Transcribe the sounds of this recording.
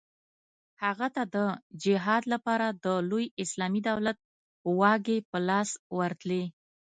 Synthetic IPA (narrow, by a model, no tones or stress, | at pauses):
haɣat̪ad̪əd͡ʒɪɦɑd̪lapɑɾad̪əlojɪslɑmid̪awlat̪̚ | wɑɡepəlɑswaɾt̪le